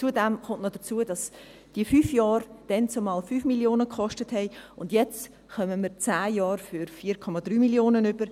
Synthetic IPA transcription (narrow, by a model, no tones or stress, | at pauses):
t͡sudɛmχʊnʔnod̥ət͡suədɑs | d̥iəfyːfjɑːɾd̥ɛnt͡somɑːlfyːfmiljoːnəkχɔʃtəthɛɪʊndjɛt͡st | χœməməɾt͡sæːjɑːɾfʏɾfiːɾkʰɔmɑdɾyːmiljoːnənʏb̥əɾ